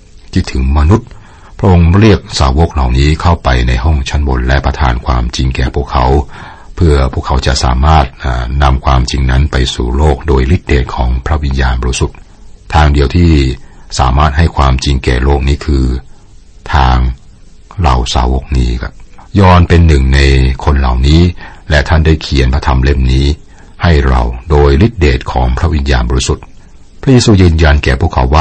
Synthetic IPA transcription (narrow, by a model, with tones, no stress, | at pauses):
t̪ʰi˧˩t̪ʰɯ˩˦ŋma˧nu˦˥t̪̚ | pʰɾa˦˥ʔo˧ŋɾi˥˩ək̚saː˨˩˦wo˦˥k̚la˨˩wniː˦˥kʰa˥˩wpa˧jna˧jɦɔ˥˩ŋt͡ɕʰa˦˥nbo˧nlɛ˦˥pɾa˧t̪ʰa̰ː˧nkʰwaː˧mt͡ɕi˧ŋkɛː˨˩pʰu˥˩kʰa˧˩˥w | pʰɯ˥˩ɐpʰu˥˩kʰːa˦˥wt͡ɕa̰˨˩ʔsa̰ː˩˦maː˥˩t̪̚ʔaː˨˩na˧mkʰwaː˧mt͡ɕi˧ŋna˦˥npa˧jsṵː˨˩loː˥˩k̚doː˧jli˦˥t̪̚deː˨˩t̪̚kʰɔː˩˦ŋpʰɾa˦˥wi˧njaː˧nbɔː˧ɾi˦˥su˨˩t̪̚ʰ | aː˧ŋdi˧əwt̪ʰiː˥˩sa̰ː˩˦maː˥˩t̪̚ha˥˩jkʰwaː˧mt͡ɕi˧ŋkɛ̰ː˨˩loː˥˩k̚niː˦˥kʰɯː˧ | t̪ʰaː˧ŋ | la̰˨˩wsa̰ː˩˦wo˨˦˩k̚niː˦˥kʰa̰˦˥˩p̚jɔː˧npe˧nːɯ˨˩ŋna˧jkʰo˧nla̰˨˩wniː˦˥lɛ˦˩t̪ʰa˥˩ndaː˥˩jkʰi˨ənpʰa˥t̪ʰa˧mle˥˩mniː˦˥ | ha˥˩jɾa̰˧wdoː˧jli˦˥t̪̚deː˨˩t̪̚kʰɔː˩˦ŋpʰɾa˦˥wi˧njaː˧nbɔː˧ɾi˦˥su˨˩t̪̚ | pʰɾa˦˥jeː˧suː˧jɯː˧nja˧nkɛː˨˩pʰu˥˩əkʰːa˩˦wːaː˥˩